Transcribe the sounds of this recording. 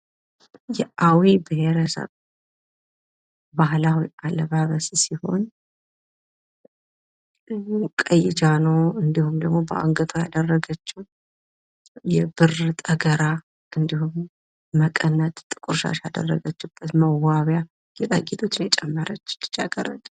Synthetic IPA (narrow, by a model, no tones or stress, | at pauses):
jɛʔawibəheɾəsə̰β | bahlawialːəβaβəssiho̞̰n | kʼəjːɪd͡ʒanəwɨnd̪ihumd̪əɡmo̞bəʔa̰ŋɡət̪ʰojad̪ərːəɡət͡ʃːɪ | jɛbɨrt̪ʼəɡəɾa | ʔɨnd̪ihumː | əkʼənːət̪ʼt̪ʼːɨkʼuɾʃa̰ʃad̪ə̰rːəɡət͡ʃːubːət̪məwaβja | jɛt̪ʼəɡit̪ʰʼo̞t͡ʃːɪnjɛt͡ʃʼɛmːəɾət͡ʃːt̪ːɨ̥t͡ʃʼːaɡəɾət̪ʼ